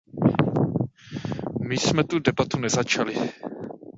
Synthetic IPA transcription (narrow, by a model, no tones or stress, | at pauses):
mɪsmɛt̪udɛbat̪unɛzat͡ʃalɪ